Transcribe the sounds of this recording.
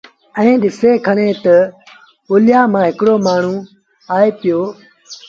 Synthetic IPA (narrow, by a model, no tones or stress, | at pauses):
ɛ̃ːɗɪseːkʰəɽ̃eːt̪ɐ | ʊːlɪjaːmãːɦɪkɽoːmaːɳ̤ũː | aːeːpɪjoː